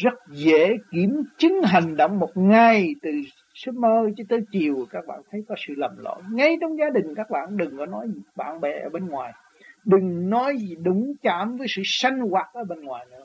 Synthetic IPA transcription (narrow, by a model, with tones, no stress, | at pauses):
zə˦˥t̚zḛ˧˥˦ki˧˩əmt͡ɕɨ˨˦ŋɦa˨˩ŋ̟ɗə̰˧˩wŋ͡mmo˨˩t̚ŋa˨˩jt̪ɨ˨˩ | sɨ˦˥p̚məː˧jt͡ɕɨ˨˧˦t̪əː˨˦jt͡ɕi˨˩əwkaː˦˥k̚ɓa̰ː˧˨nt̪ʰə˨˦jkɔ˨˦sɨ̰˧˨lə˨˩mlo̰˧˨jŋa˧jt͡ɕɔ˧wŋ͡mzaː˨˦ɗï˨˩ŋ̟kaː˦˥k̚ɓa̰ː˧˨nɗɨ˨˩ŋkɔ˨˦nɔ˨˦ji˨ɓa̰ː˧˨nɓɛ̰˨˩ʔəː˧˩˦ɓe˧nŋwaː˨˩j | ɗɨ˨˩ŋnɔ˨˦ji˨˩ɗʊ˨˦ŋ͡mt͡ɕaː˧˩˥mvəː˨˦jsɨ̰˧˨sa˧jŋ̟ɣwaː˨˩t̚ʔəː˧˩˦ɓe˧nŋwaː˨˩jnɨ̰˧˦ə